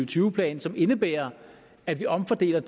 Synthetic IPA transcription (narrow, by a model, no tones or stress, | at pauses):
yʊət͡sʰyːʊəpʰlɛ̰ːnsɒ̽me̝nəb̥ḛːɐ | æd̥ʋiʔɒ̽mfɒd̥e̝̰ːlɐt͡sʰ